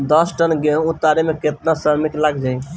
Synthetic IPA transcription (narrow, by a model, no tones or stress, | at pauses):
d̪əsʈənɡeɦũt̪aɾemeket̪nasəɾmiklaɡd͡ʒaj